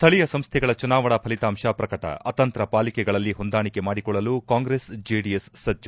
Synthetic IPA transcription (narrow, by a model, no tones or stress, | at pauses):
st̪ʰɐɭijɐsɐmst̪ʰɛɡɐɭɐt͡ʃunaːʋɐɳɐpʰɐlit̪aːmʃaːpɾɐkɐʈɐ̰ɐt̪ɐnt̪ɾɐpaːlikɛɡɐɭɐlːiɦond̪aːɳikemaːɽikɔɭːɐlukaːŋɡɾeːsd͡ʒiːɖijesːɐd͡ʒːu